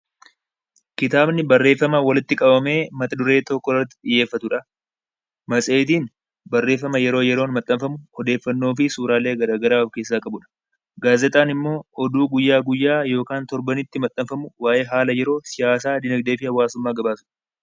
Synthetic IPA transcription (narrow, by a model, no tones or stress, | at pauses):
kɪt̪aːbnɪbɐrːe̞ːfːɐmɐwɐlɪt̪ːɪkʼɐbɐme̞ːmɐt̪ɐd̪ʊɾe̞ːt̪ɔkːɔrɐt̪ːɪ̥ᶑɪjːe̞ːfːɐt̪ʊᶑɐ | mɐsʼe̞ːt̪̬iːn | bɐrːe̞ːfːɐmɐjɛɾo̞ːjɛɾoːnmɐt̪ʼːɐmfɐmʊɔd̪e̞ːfːɐnːoːfɪsuːɾaːle̞ːɡɐɾaːɡɐɾaːwɐfke̞ːs̬ːaːkʼɐbʊᶑɐ̥ | ɡaːzɛt̪ʼaːnɪmːo̞ːɔd̪uːɡʊjːaːɡʊjːaːjo̞ːkaːnt̪ɔɾbɐnɪt̪ːɪmɐt̪ʼːɐmfɐmʊwaːʔe̞ːɦaːlɐjɛɾo̞ːsɪjaːsaːd̪ɪnɐɡd̪e̞ːfɪhɐwːaːsʊmːaːɡɐbaːsʊᶑɐ̥